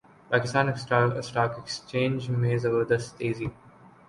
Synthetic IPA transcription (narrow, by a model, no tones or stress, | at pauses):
pæːkɪst̪ãːnɪksʈːsʈaːkekst͡ʃẽːnd͡ʒmeːzəʋəd̪əsʈeːzi